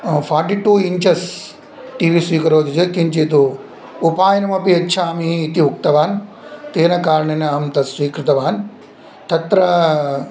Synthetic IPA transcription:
fʰaːɾʈiʈuːiɲt͡ʃɐs | ʈiːʋiːsʋiːkɐɾoːd̪id͡ʒɐkiɲt͡ʃit̪̬u | upaːjɐnɐmɐpiɐtːʃʰaːmiːt̪iuk̚t̪ɐʋaːn | t̪eːnɐkaːɾɐɳɐnɐɐɦɐmt̪ɐsʋiːkɾɪt̪ɐʋaːn | t̪ɐt̪ɾɐ

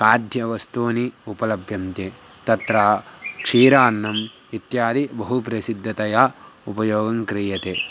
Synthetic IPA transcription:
kaːɾd̪ʱjɐʋɐst̪uːniupɐlɐbʱjɐmt̪e | t̪ɐt̪ɾaːkʂiːɾaːnːɐm | it̪jaːd̪ibɐɦupɾɐsid̪ʱːɐt̪ɐjaːupɐjoːɡɐŋkɾiːjɐt̪eː

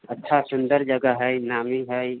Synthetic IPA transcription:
ətːt͡ʃʰasʊ̃nd̪əɾd͡ʒəɡəɦɛjnaːmiɦɛj

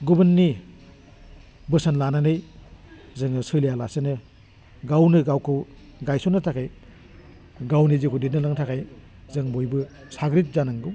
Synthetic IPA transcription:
ɡubɯnːi | bɯsanlananɯj | zɯŋɯsɯlejalasenɯ | ɡawnɯɡawkʰɯw | ɡajsunɯtʰakʰaj | ɡawnizikʰudit̚nɯlaŋtʰakʰaj | zɯŋbojbɯ | saɡɾit̚zanaŋɡɯw

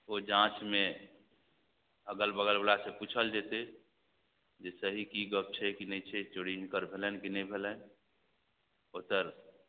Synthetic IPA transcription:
od͡ʒãt͡ʃme | əɡəlbəɡəlbəɽaseput͡ʃʰəld͡ʒet̪e | d͡ʒesəɦikiɡəb̚t͡ʃʰɛkinəit͡ʃʰɛt͡ʃoɽiɦkəɾbʱelənkinəĩbʱelən | ot̪əɾ

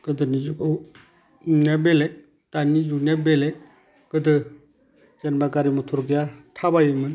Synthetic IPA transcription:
ɡ̥ɯdɯnizukɯ | nabele | tanizunabele | ɡ̥ɯdɯ | zenbaɡaɾimutʰɔɾɡijatʰabajɯmɯn

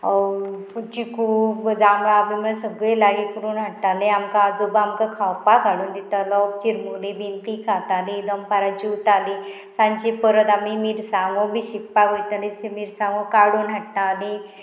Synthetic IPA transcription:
t͡ɕikud͡zaŋɭaːmiməsəɡɭəjlaɡikəɾuːnɦəʈːaleamkaad͡zobamkakʰawpakaɽuːnd̪it̪alɔt͡ɕiɾmulebint̪ikʰat̪alid̪əmpaɾat͡ɕiut̪ali | sãɲt͡ɕipəɾəd̪amimiɾsaŋɡɔbʱiɕik̚paɡəjt̪alĩsemiɾsãŋɡɔkaɽuːnɦəʈnali

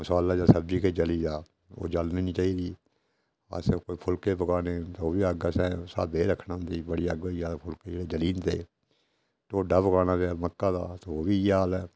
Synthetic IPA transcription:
mʊsaːlːaːd͡ʒaːsəbd͡ʒiːkeːd͡ʒəliːd͡ʒaː | o̰ːd͡ʒəlniːnĩːt͡ʃaːiːd̪iː | a̰skoːiːpʰʊlkeːpəkaːɽeːt̪ːoːbiːəɡəsɛ̃ːsa̰ːd̪eːɾəkʰnaːʊ̃nd̪iːbəɽiːəɡojaːlpʰʊlkeːd͡ʒeːɽeːd͡ʒəliːnt̪ḛː | t̪oːɖaːpəkaːnaːd͡ʒaːməkːaːd̪a̰ːt̪eoːbiːjaːlɛː

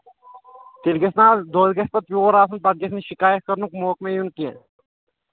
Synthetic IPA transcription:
t̪ilɡesnaːd̪oːd̪ɡɐspɐt̪̚oːɾaːsunpɐd̪̚ɡesniʃikaːjət̪̚kɐɾnukmoːkmẽjunkẽ

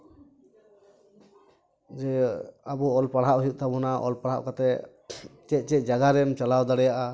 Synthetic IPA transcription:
d͡ʒɛabuɔlpaɽ̤aʔɦijuʔ̚t̪ʰabɔnaʔɔ̰lpaɽ̤aʔkat̪ɛ | t͡ʃɛc̪̚ˀt͡ʃɛc̚ˀd͡ʒaɡaɾɛmt͡ʃalawd̪aɽɛjaʔa

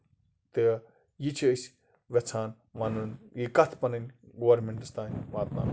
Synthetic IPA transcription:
t̪ɨ | jit͡ʃʰiəsʲ | ʋʲet͡sʰaːn | ʋɐnunjikɐt̪ʰpɐnɐnʲɡoʋɾmʲeɳʈɐst̪aːnʲʋaːt̪na̰ːn

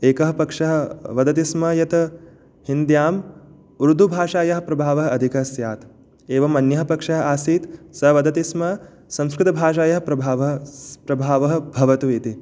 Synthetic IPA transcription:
eːkɐɦɐ̆pɐkʂɐɦɐ̆ʋɐd̪ɐt̪ismɐjɐt̪ɐ | hind̪jaːm | uɾud̪ʱubʱaːʂaːjɐɦɐ̆pɾɐbʱaːʋɐɦɐɐd̪ʱikɐɦɐsjaːt̪ | eːʋɐmɐnjɐɦɐpɐkʂɐɦɐ̆aːsiːt̪sɐɦʋɐd̪ɐt̪ismɐ | sɐ̃mskɾɪt̪ɐbʱaːʃaːjɐɦɐ̆pɾɐbʱaːʋɐɦɐpɾɐbʱaːʋɐɦɐ̆bʱɐʋɐt̪uʋiːt̪i

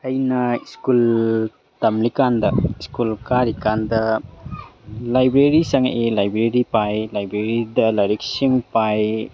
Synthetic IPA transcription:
ɐjnɐiskul | tɐmlikandɐiskulkaɾikandɐ | lajbɾeɾisɐŋelajbɾeɾipajlajbɾeɾidɐlajɾeksiŋpaj

